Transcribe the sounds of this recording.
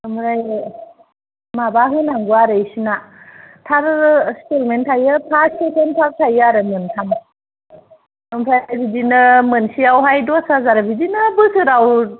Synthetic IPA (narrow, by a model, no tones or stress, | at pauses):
ɯmɾaj | mabaɦɯnaŋɡuaɾɯjsinatʰaɾstelmentʰajɯtʰaɾskʰetʰentʰaɾtʰajɯaɾɯmɯntʰam | ɯmpʰɾajabidinɯmɯnsiawɦajdɔsazaɾbidinɯbɯsʰɯɾaw